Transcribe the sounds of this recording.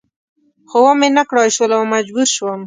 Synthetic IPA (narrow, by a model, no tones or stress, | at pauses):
xowamenakɽɑʃwəlawmad͡ʒbuɾʃwəm